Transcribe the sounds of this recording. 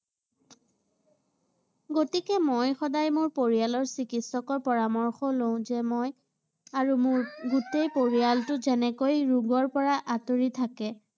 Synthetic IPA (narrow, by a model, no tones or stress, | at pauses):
ɡotikɛmojxɔdajmʊɹpoɹijalɔɹsikitsɔkɔɹpɔɹamɔɹxɔloʊ̃zɛmoj | aɹumʊɹɡutejpoɹialtʊzɛnɛkojɹuɡɔɹpɔɹaʔatoɹitʰakɛ